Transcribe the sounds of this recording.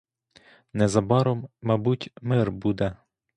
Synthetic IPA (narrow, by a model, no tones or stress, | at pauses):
nɛzɐbɑɾɔmːɑbutʲmɪrbud̪ɛ